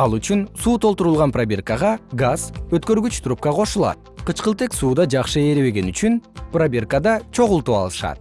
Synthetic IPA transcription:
ɑlˠyt͡ʃynsuːt̪ʰo̞lt̪uɾulˠʁɑnprobʲe̞rkəʁɑɡaz̥øt̪kø̞ɾɡyt͡ʃt̪ʰɾup̚kɑqʰo̞ʃulˠɑ̰t̪̚qʰɯt͡ʃqɯlˠt̪e̞ksuːd̪ɑd͡ʒɑqʃɯeɾeβe̞ɡe̞nyt͡ʃynprobʲe̞rkəd̪ɑt͡ʃʰo̞ʁulˠt̪uːɑ̰lˠɯʃɑ̰t̪̚

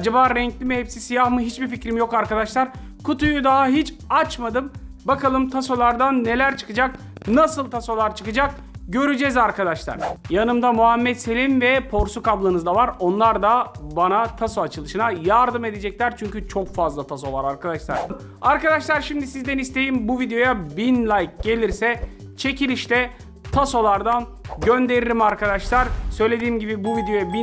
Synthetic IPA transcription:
ad͡ʒabaːɾɛɲclʲimɛhepsisijahmɯɦit͡ʃbificɾimjo̞kaɾkad̪aʃlˠaɾ | kʰut̪ujud̪aɦaɦit͡ʃ | at͡ʃmad̪ɯmbakʰalˠɯmt̪ʰaso̞lˠaɾd̪anːe̞lʲæɾt͡ʃʰɯ̥kɯd͡ʒak̚ | nasɯlˠt̪ʰaso̞lˠaɾt͡ʃʰɯkɯd͡ʒak̚ | ɟø̞ɾyd͡ʒɛzaɾkad̪aʃlˠa̰ɾ̥janɯmd̪amuɦamːɛt̪se̞lʲimvɛpʰo̞ɾsukablˠɯnɯzd̪avaɾo̞nlˠaɾd̪abanat̪ʰasoat͡ʃʰɯlˠɯʃɯnajaɾd̪ɯme̞d̪ed͡ʒɛclʲæɾt͡ʃʰyɲcyt͡ʃʰo̞kfazlˠat̪ʰaso̞vˠaɾaɾkʰad̪aʃlˠa̰ɾ̥ | aɾkad̪aʃlˠaɾʃimd̪isizd̪ɛnist̪ʰe̞jimbuvid̪ejo̞jabinlʲajk̚ɟe̞lʲiɾsɛ | t͡ʃʰe̞cʰilʲiʃt̪ɛ | t̪ʰaso̞lˠaɾd̪anɟønd̪e̞ɾilʲimaɾkad̪aʃlˠaɾ̥sø̞jlʲe̞d̪iːmɟibibuvid̪ejo̞jabi

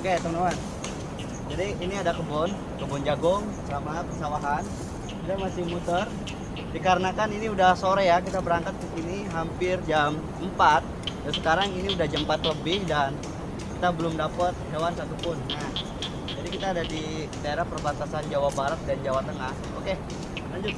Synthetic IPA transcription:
oket̪əmnewan | d͡ʒadiːniadakəbɔn | kəbɔnd͡ʒaɡʊŋ | sɾamapərsawaɦan | kit̪amasɪhmut̪ər | dikaɾənakaniniudahsoɾɛjak̬it̪abəɾaŋkat̪̚kisiniɦampɪrd͡ʒam | əmpat̪̚dansəkaɾaŋiniudahd͡ʒəmpat̪ləbɪhdan | kit̪abəlʊmdapət̪̚ɦewansat̪upʊnah | d͡ʒadikit̪aːdadi | it̪aeɾapərbat̪asand͡ʒawahbaɾət̪̚dand͡ʒawat̪əŋah | o̰ke | laɲd͡ʒʊt̪̚

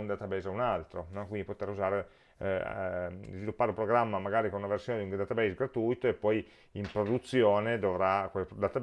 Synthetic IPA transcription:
und̪at̪abɛːzaunalt̪ɾonɔkwind̪ipot̪eruzaːɾe | zvilupːaːɾeupɾoɡɾamːamaɡaːɾikonunaversjoːned̪iuŋd̪at̪abɛsɡɾat̪ujt̪oepːɔj | impɾod̪ut̪sːjoːned̪ovɾakwed̪at̪ab

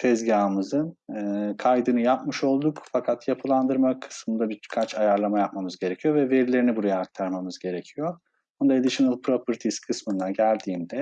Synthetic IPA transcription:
t̪ʰɛzɟaːmɯzɯnɯːkʰajd̪ɯnɯjapmɯʃo̞lˠd̪ukfakʰat̪japʰɯlˠand̪ɯɾmakʰɯ̥smɯnd̪abikʰat͡ʃʰajaɾlˠamajap̚mamɯzɟe̞ɾecʰijo̞vɛve̞ɾilʲe̞ɾinibuɾajaːk̚t̪ʰaɾmamɯzɟe̞ɾecʰijo | and̪aed̪iʃɯnɯlˠpɾopɯɾt̪ʰiskʰɯsmɯnd̪aɟælʲd̪iːnd̪ɛ

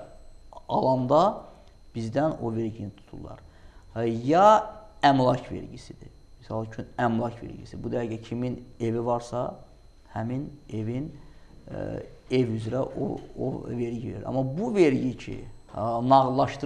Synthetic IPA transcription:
ɑ̰lˠɑnd̪ɑ | b̥izd̪æno̞̰ve̞ɾɟinit̪ʰu̥t̪ʰṵlˠːɑ̰ɾ | jɑæmlˠɑcʰve̞̰ɾɟisid̪i | misɑlˠt͡ʃʰynæmlˠɑcʰvḛɾɟḭsibud̪æɾɟæcʰimine̞vivɑɾsɑ | hæmine̞vin | evyzɾæʔo̰o̰ve̞ɾɟiveɾḭɾɑ̰mːɑbuveɾɟicʰḭnɑɣlˠɑʃt̪ɯ

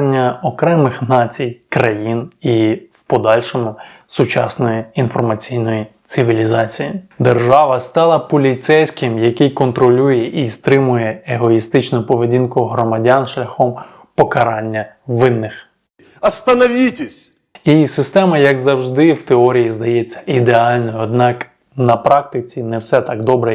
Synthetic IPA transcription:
nʲːɐɔkɾɛmɪxnɑt͡sʲijkɾɐjiniwpɔd̪ɑlʲʃɔmʊ | sʊt͡ʃɑsnɔjiinfɔrmɐt͡sʲijnɔjit̪sɪʋʲilʲizɑt͡sʲijid̪erʒɑʋɐst̪ɑlˠɐpɔlʲit̪sɛjsʲkɪmjɐkɪjkɔnt̪ɾɔlʲujɛʔist̪ɾɪmʊjɛeɦɔist̪ɪt͡ʃnʊpɔʋedʲinkʊɦɾɔmɐdʲanʃlʲɐxɔm | pɔkɐɾɑnʲːɐʋɪnːɪx | ɐst̪ɐnɔʋʲitʲesʲ | isɪst̪ɛmɐjɐɡzɐwʒd̪ɪwt̪eɔɾʲijizd̪ɐjet͡sʲːɐ̥ʔid̪eɑlʲnɔjʊɔd̪̚nɑk | nɐpɾɑk̚t̪ɪt͡sʲinɛwsɛt̪ɑɡd̪ɔbɾɛ

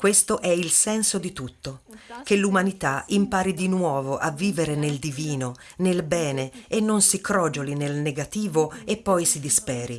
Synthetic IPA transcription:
kwest̪oʔɛilsɛnsod̪it̪ut̪ːok̟elːumanit̪aimpaːɾid̪inwɔːvoʔavːiːveɾeneld̪iviːno | nelbɛːneenːonsikɾɔːd͡ʒolinelneɡat̪iːvoepːɔjsid̪ispɛːɾi

